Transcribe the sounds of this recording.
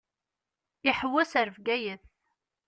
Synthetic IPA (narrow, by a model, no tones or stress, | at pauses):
ɪħwːæsəɾvɡæjəθ